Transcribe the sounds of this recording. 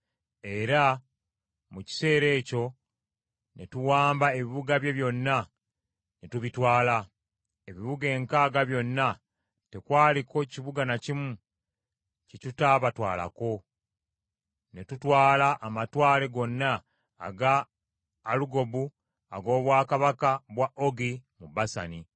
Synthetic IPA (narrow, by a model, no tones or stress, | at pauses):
e̞ɾa | muci̥se̞ːɾe̞ːco̞ | netuwaːmbae̞βiβuɡaβje̞βjo̞nːa | netuβitwaːla | e̞βiβuɡe̞ːŋkaːɡaβjo̞nːa | te̞kwaːliko̞ciβuɡanacimu | citutaːβatwa̰ːla̰ko̞ | ne̞tutwaːlaʔːmatwaːle̞ɡo̞nːa̰ː | ɡaː | luɡo̞bu | a̰ɡo̞ːβwaːkaβakaβwaʔoɡimubasa̰ni